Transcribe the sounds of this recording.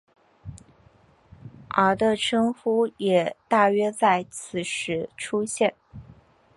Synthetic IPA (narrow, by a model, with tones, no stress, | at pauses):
ə˧˥t̪ɤ˥˧ʈ͡ʂʰɤ˥ŋfu˥jɛ˨˩t̪a˥˩ɥɛ˥t͡sa˥˩ɪt͡sʰɹ̩˨˩ʂɻ̩˧˥ʈ͡ʂʰu˥ɕjɛ˥˩n